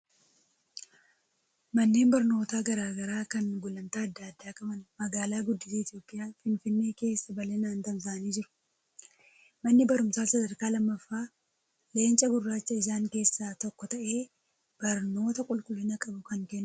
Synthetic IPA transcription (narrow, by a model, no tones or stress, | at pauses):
mɐnːe̞ːnbɐɾno̞ːt̪aːɡɐɾaːɡɐɾaːkɐnɡʊlɐmt̪aːɐd̪ːaːd̪ːaːkʼɐmɐnmɐɡaːlaːɡʊd̪ːɪsiːɪt̪ɪjo̞ːpʼːɪʔjaːfɪnfɪnːe̞ːke̞ːsːɐbɐleːnaːnt̪ɐmzaɐniːd͡ʒɪɾʊ̥ | mɐnːɪbɐɾʊmsaːsɐd̪ɐɾkaːlɐmːɐfːaː | le̞ːnt͡ʃʼɐɡʊrːaːt͡ʃːɐɪzaːŋke̞ːsːaːt̪ɔkːɔt̪ɐʔe̞ː | b̥ɐɾno̞ːt̪ɐkʼʊlkʼʊlɪnɐkʼɐbʊkɐŋkɛnː